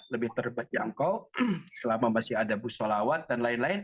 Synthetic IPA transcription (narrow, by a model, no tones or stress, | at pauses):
ləbɪht̪ərəbat̪̚d͡ʒaŋkawsəlamamasɪɦadabusolawat̪̚danlaɪnlaɪn